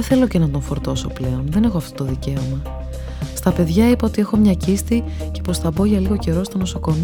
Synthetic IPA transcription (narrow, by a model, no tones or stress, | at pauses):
eθe̞lo̞cenɐt̪o̞ɱfo̞ɾt̪o̞so̞pleonðe̞ne̞xoɐft̪ot̪oðice̞o̞mɐ | st̪ɐpe̞ðʝɐipɐo̞t̪ie̞xo̞mɲɐcist̪i | ce̞po̞sθɐbo̞ʝɐliɣo̞ce̞ɾo̞st̪o̞no̞so̞ko̞m